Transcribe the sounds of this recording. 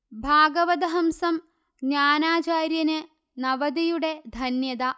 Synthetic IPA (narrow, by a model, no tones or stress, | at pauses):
bʱaːɡɐʋɐd̪ɐɦɐmsɐm | ɡɲaːnaːt͡ɕaːɾjɐnɨ | nɐʋɐd̪ijuɽe̞d̪ʱɐnjɐd̪a